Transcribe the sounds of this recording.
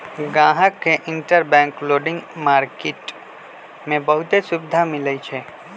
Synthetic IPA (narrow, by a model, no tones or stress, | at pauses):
ɡãːɦəkːeʔɪ̃ɳʈəɾbɛ̃ːŋkloːɖɪ̃ŋɡmaːɾkeːʈ | mẽbɐɦʊt̪esʊbɪd̪ʱamɪləit͡ʃʰe